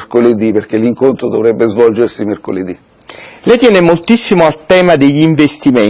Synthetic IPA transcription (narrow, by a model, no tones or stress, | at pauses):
koled̪iperkeliŋkont̪ɾod̪ovɾɛbːezvɔld͡ʒersimerko̰led̪i | lɛjt̪jɛːnemolt̪isːimoalt̪ɛːmad̪eʎːiɱvest̪ime